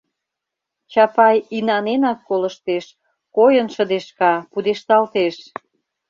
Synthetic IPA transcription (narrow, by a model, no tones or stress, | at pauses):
t͡ɕɑpɑjinɑnenɑkːolə̆ʃt̪eʃ | kojənʃə̆d̪eʃkɑpud̪eʃt̪ɑlt̪eʃ